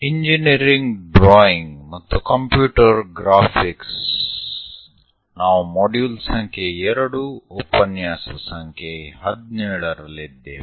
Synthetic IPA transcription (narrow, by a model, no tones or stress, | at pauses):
iɲd͡ʒiniɾiŋɡɖɾɔːjiŋɡmɐt̪ːukɐmpjuːʈɐɾɡɾaːpʰiks | naːʋumoːɖjuːlsɐŋkʰeɛɾɐɽuopɐnjaːsɐsɐŋkʰeɦɐd̪neːɭɐɾɐlid̪ːḛ